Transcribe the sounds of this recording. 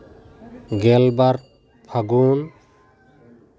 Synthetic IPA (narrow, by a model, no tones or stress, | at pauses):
ɡɛlbaɾ | pʰaɡun